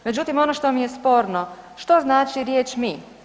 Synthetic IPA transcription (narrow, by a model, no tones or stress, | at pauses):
me̞d͡ʑut̪imo̞noʃt̪o̞mijespo̞ːɾnoʃt̪o̞znaːt͡ʃiɾjeːt͡ʃmi